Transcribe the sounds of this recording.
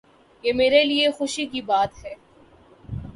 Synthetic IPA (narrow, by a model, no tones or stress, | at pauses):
jeːmeːɾeliexʊʃikibaːt̪ɦɛː